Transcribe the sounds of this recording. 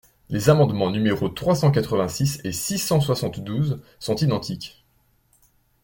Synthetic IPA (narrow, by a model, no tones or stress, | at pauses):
lezamɑ̃d̪mɑ̃nymeʁot̪χwasɑ̃kat̪χəvɛ̃sisesisɑ̃swasɑ̃t̪d̪uzsɔ̃t̪id̪ɑ̃t̪ʰikʲ